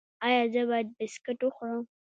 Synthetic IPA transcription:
ɑjɑzəbɑjad̪̚bɪskɪʈwəxɾəm

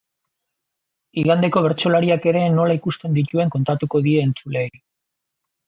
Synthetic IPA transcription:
iɣand̪e̞ko̞β̞e̞ɾt͡ʃo̞laɾiake̞ɾe̞no̞laikust̪e̞nd̪it̪ue̞ŋko̞nt̪at̪uko̞ðie̞ːnt͡sule̞jj

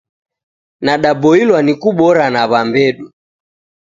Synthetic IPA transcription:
naɗabɔilwanikuɓɔɾanaβambɛɗu

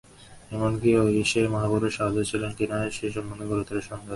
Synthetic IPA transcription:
ɛmonkioiʃemaɦabuɾeɾʃad̪ot͡ɕʰilenk̪inaeʃeʃ̬ɔmoneɡoɾot̪oɾeʃɔnd̪e

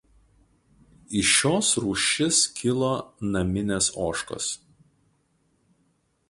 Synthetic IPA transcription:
ɪʃoːsɾuːʃʲɪskʲʰɪlˠoːnɐmʲɪnʲesoːʃko̰s

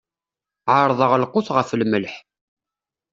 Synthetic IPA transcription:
ʕəɾˤðˤəʁlqʊθʁəfəlməlħ

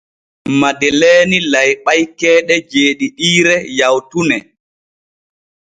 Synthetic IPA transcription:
madɛlɛːnilajɓajkɛːɗɛd͡ʒeːɗiɗiːɾɛjawtunɛ

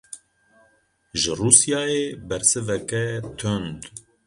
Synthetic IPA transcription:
ʒɨruːsjaːjebɛɾsɨvɛkɛt̪ʰønd̪

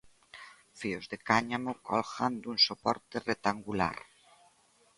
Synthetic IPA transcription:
fiozðekaɲamokɔlxand̪uŋsopɔɾt̪eret̪aŋɡula̰ɾ

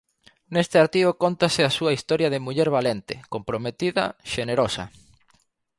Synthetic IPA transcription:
nest̪eaɾt̪iokont̪asɪasuɐist̪ɔɾjɐðemuʎɛɾβalent̪ɪ̰kompɾomet̪iðɐ̰ʃeneɾosɐ̰

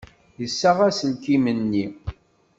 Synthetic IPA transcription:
jəsːaʁæsəlkimənːi

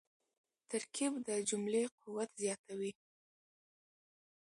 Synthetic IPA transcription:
t̪aɾkʰibd̪əd͡ʒumleqʰuwat̪zjɑt̪awi

